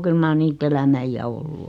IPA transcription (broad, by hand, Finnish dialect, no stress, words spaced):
kyl mɑr niːt elæmæ ij̆æ olːu